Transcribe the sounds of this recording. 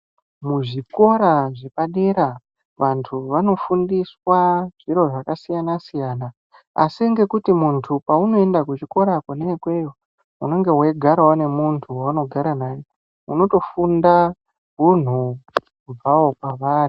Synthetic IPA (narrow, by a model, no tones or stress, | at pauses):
muʐiko̞ɾaʐepaɗeɾa | ʋantʰuʋano̞fundiswaʐ̥iɾo̞ʐakasijanasijaːna̰ː | siŋɡe̞kutimuntʰupauno̞endakut͡ʃiko̞ɾakwonekwe̞jo | uno̞ŋɡe̞weɡʱaɾawone̞muntʰuwauno̞ɡʱaɾanaːje | uno̞to̞funda | ɦun̤u | kub͡vawo̞kwaʋaːri